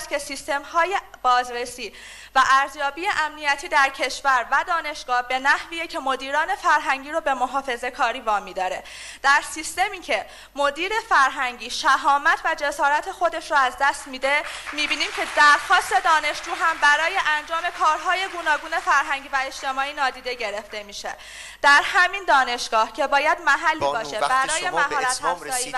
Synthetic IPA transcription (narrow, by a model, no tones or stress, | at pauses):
st̪kcʰesist̪e̞mhɒːje̞b̥ɒːzɾe̞siː | væʔæɾzjɒːbiːjeʔæmnijæt̪ʰiːd̪æɾcʰe̞ʃvæɾvæd̪ɒːne̞ʃɡ̥ɒːhbe̞næhviːjecʰe̞mo̞d̪iːɾɒːne̞fæɾɦæɲɟiːɾobe̞moɦɒːfe̞ze̞kʰɒːɾiːvɒːmiːd̪ɒːɾe̞ | d̪̥æɾsist̪e̞miːcʰe̞ | mo̞d̪iːɾe̞fæɾɦæɲɟiːʃæɦɒːmæt̪ʰvæd͡ʒe̞sɒːɾæt̪ʰe̞xo̞d̪e̞ʃɾoæzd̪æst̪miːd̪e̞miːbiːniːmcʰe̞d̪æɾxɒːst̪e̞d̪ɒːne̞ʃd͡ʒuːɦæmbæɾɒːje̞ʔænd͡ʒɒːme̞kʰɒːɾɦɒːje̞ɡuːnɒːɡuːne̞fæɾɦæɲɟivæe̞ʃt̪e̞mɒːiːnɒːd̪iːd̪e̞ɟe̞ɾe̞ft̪e̞miːʃe̞̰ | d̪̥æɾhæmind̪ɒːne̞ʃɡ̥ɒːhcʰe̞bɒːjæd̪mæɦælːiːbɒːʃebæɾɒːjemæɦɒːɾæt̪hæfzɒːiː